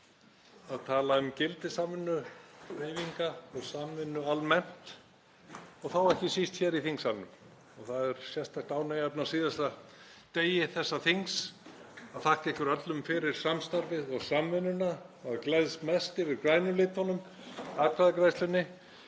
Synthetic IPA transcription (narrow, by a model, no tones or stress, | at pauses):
aðt̪ʰaːlaʏmcɪlt̪ɪsaːmɪnːʏheːjviŋkaɔɣsaːmvɪnːʏalmɛn̥t̪ | ɔɣθawɛhcɪsist̪çɛɾiθiŋsannʏm | ɔɣθaðɛɾ̥sjɛst̪ajht̪aːwnejapnasiːðast̪at̪eːjɪθɛsːaθiŋs | aðθahk̪ɛhkʏɾœt̪lʏmfɪɾɪɾ̥samst̪aɾvɪðɔɣsamvɪnːʏnaaðklɛðsmɛst̪ɪvɪɾkɾaːjnʏlɪːt̪hɔnʏm | akʰɾaðakɾajst̪lʏnːɪ